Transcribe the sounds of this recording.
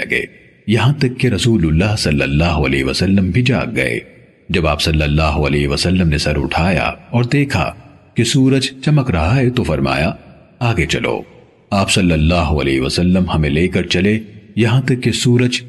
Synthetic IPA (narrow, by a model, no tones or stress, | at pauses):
ɐ̰ɡḛː | jɐɦãt̪ɐkːeɾɐsuːlʊlːaːɦsɐlːə̰lːaːɦoɐlḛːɦʋɐsɐlːəmbʱid͡ʒa̰ːk̚ɡɐ̰ḛː | d͡ʒɐbaːpsɐlːɐlːaːɦoɐlɛːɦʋɐsɐlːəmnesɐɾʊ̰ʈʰaːja̰ɔːɾd̪eːkʰa̰ | kesuːɾəd͡ʒt͡ʃɐməkɾɐɦaɦet̪ofɐɾma̰ːja | aːɡet͡ʃɐlo̰ː | aːpsɐlːəlːaːɦoɐ̰leːɦʋɐsɐlːəmhɐmẽleːkɐɾt͡ʃɐlejɐɦãt̪ɐkːesuːɾəd͡ʒ